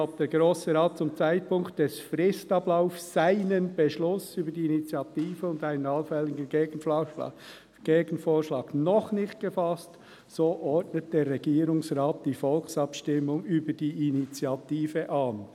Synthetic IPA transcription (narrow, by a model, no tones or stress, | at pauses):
ab̚d̥eːɾɡɾoːsəɾaːt̚t͡sʊmt͡saɪt̚pʊŋkt̚d̥ɛsfrɪstɑblaʊfssaɪnənb̥eʃlʊsyːbədiinit͡sjɑtiːfəʊndaɪnənɑlfɛlːɪɡənː | ɡ̥eːɡ̥n̩foːʃlɑːɡnɔχnɪçt̚ɡ̥əfɑst | soːʔɔɹtnət̚d̥eːɾʁɛɡ̥iːɾʊŋsʁaːt̚d̥iːfɔlksɑpʃtɪmːʊŋyːbədiːinit͡sjɑtiːfəʔɑːn